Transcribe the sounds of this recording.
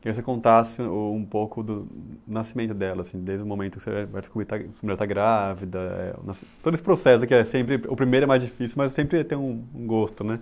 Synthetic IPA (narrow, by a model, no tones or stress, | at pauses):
aivos̬ekõnt̪asɪʊũpowkʊd̪ʊnasimẽnt̪ʊd̪ɛlɐːsĩd̪ejzd̪ʊ̃mõmẽnt̪ʊkɪ̥sevajvajd̪ɪskubɾiɾt̪afaɐmilaɾt̪aɡɾavid̪ɐɛ̰ʊ̰nast̪od̪ʊesɪ̥pɾosɛsʊkɪɛsẽmpɾɪʊpɾimejɾʊɛmajzd͡ʒifisiumɐzsẽmpɾɪt̪ẽj̃ũũɡost̪ʊnɛ